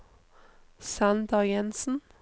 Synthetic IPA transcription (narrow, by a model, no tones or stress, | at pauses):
sænd̪ɑjɛnsn̩